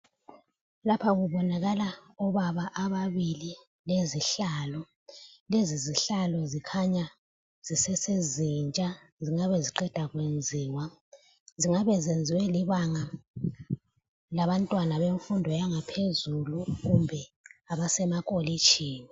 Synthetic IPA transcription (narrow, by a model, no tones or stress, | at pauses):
lapʰaɣuβɔnaɣalaɔβaβaʔaβaβili | leziɬalɔ | leziziɬalɔzikʰaɲa | z̥isɛsezint͡ʃʼa | ziŋaβɛziǃɛd̥ʱaɣwend͡zʱiːwa | ziŋaβɛzend͡zʱiwɛliβaŋa | laβantʼwanaβeɱfundʱɔjaŋapʰezuluɣumbʱɛaβasɛmakʼolit͡ʃʰʼiːni